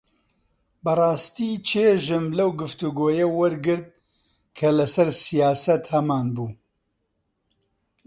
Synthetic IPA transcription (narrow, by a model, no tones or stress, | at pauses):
bɐrˤɑːst̪iːt͡ʃʰeːʒɨmlɐwɡɨft̪uɡoːjɐwɐɾɡɨɾd̪̚ | kʰɐlɐsɐɾsijaːsɐt̪hɐmaːnbuː